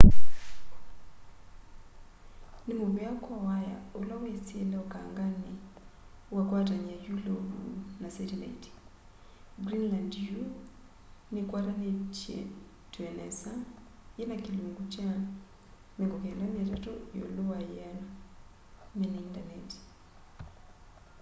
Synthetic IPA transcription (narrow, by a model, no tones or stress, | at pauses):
nemoβeakɔwaja̰olawet͡sielɛɔkaːŋɡane | wakwat̬aɲiajuloβṵnasɛtɛla̰iti̥ | ɡɾinlandju | nekwatanet͡ʃiḛ | twɛnɛ̰sajenakiluŋɡut͡ʃa | meŋɡokɛndamjatatojo̰lowajana | mɛnaindanɛti̥